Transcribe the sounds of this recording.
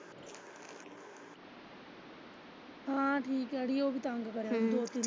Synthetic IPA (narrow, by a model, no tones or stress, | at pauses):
ɦãːʈʰiːkəɽijoːbʱit̪ãːŋɡkəɾj̃ːũnd̪oːt̪ɪ